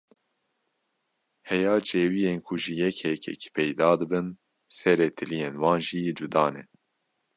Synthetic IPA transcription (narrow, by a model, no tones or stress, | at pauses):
hɛjɑːt͡ʃeːwijeːnkʰʊʒijɛkhɛkʰɛ̰ki̥pʰɛjd̪ɑːd̪ɨbɨn | sɛɾeːt̪ʰɨlijeːnwɑːnʒiːd͡ʒud̪ɑːnɛ